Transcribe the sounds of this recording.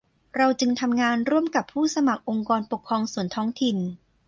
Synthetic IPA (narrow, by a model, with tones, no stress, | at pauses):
ɾa˧wt͡ɕɯ˧ŋt̪ʰa˧mŋaː˧nɾu˥˩əmka˨˩pʰːuː˥˩sa˧ma˨˩k̚ʔo˧ŋkɔː˧npo˨˩kʰːɾɔː˧ŋsu˨˩ənt̪ʰɔː˦˥ŋt̪ʰi˨˩n